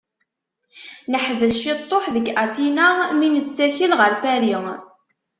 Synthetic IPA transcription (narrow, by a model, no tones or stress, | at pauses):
nəħvəsʃit̪ˤːoħðəɡæt̪inaminəsːæçəlʁəɾfæɾiŋ